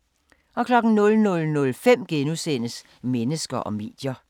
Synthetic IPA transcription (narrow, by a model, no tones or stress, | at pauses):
ʔɒ̽kʰlɒ̽ɡ̥n̩nɔ̽lnɔ̽lnɔ̽lfem̰ɡ̥enusen̰əs | menəsɡ̥ɐʔɒ̽me̝̰ːd̥jɐ